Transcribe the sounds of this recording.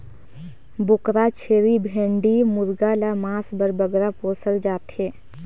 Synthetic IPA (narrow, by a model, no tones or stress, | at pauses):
bʊkɾat͡ʃʰeːɾibʱẽːɳɖimʊɾɡalamaːsbəɾbəɡɾapoːsəld͡ʒaːt̪eː